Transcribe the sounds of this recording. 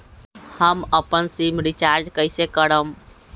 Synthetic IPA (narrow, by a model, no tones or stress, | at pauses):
həməpənsimɾit͡ʃaɾd͡ʒkəɪsekəɾəm